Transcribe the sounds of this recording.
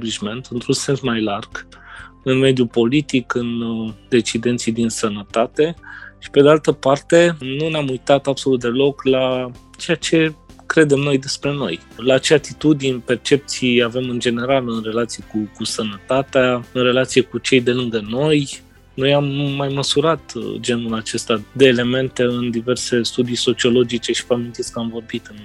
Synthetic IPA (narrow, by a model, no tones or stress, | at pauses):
bliʃme̞nt̪ɨnt̪ɾunse̞nsmajlarɡ̥ɨnme̞d̪jupo̞lit̪ikɨnd̪e̞t͡ʃid̪e̞nt̪sijd̪insənət̪at̪e̞ʃi̥ped̪ealt̪əpart̪e̞nuneamujt̪at̪abso̞lut̪̚d̪e̞lo̞kla | t͡ʃe̞jat͡ʃe̞kɾe̞d̪e̞mno̞jd̪e̞spɾe̞no̞̰j | lat͡ʃeat̪it̪ud̪inʲpe̞rt͡ʃe̞p̚t̪sijave̞mɨnd͡ʒe̞ne̞ɾalɨnre̞lat̪sijkukusənət̪at̪eaɨnɾe̞lat̪sijekut͡ʃe̞jd̪e̞lɨŋɡəno̞j | no̞jamːajməsuɾat̪d͡ʒe̞nulat͡ʃe̞st̪ad̪e̞ːle̞me̞nt̪e̞ɨnd̪ive̞rse̞st̪ud̪ijso̞t͡ʃio̞lo̞d͡ʒit͡ʃe̞ʃi̥vamint̪iskəamvo̞rbit̪ɨn